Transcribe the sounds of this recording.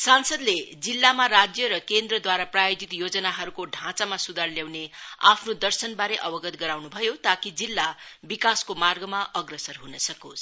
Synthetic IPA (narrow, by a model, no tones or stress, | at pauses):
sansʌd̪led͡zilːamaɾad͡zjʌɾʌkend̪ɾrʌd̪waɾaprajod͡zit̪jod͡zʌnaɦʌɾukoɖʱãt͡samasud̪ʱarljawnea̰pʰnod̪ʌrsʌnbaɾeʔʌbʌɡʌt̪ɡʌɾawnubʱʌjot̪akid͡zilːabikaskomarɡʌmaʔʌɡrʌsʌrɦunʌsʌkos